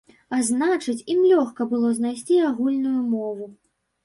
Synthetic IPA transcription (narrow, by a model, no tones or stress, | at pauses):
aznat͡ʂɨt͡sʲimlʲɔxkɐbɨlˠɔznajs̬ʲt͡sʲiaɣulʲnujumɔvu